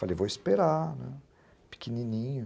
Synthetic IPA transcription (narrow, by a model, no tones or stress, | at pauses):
falejvoispeɾanɛ̰̃ | pi̥kinĩnĩɲʊ